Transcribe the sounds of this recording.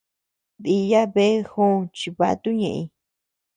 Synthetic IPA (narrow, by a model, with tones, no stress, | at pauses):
ði˧ja˦βe˦xũ˦˨˧t͡ʃi˧βa̰˧t̪u˦ɲḛ̃˧ʔĩ˧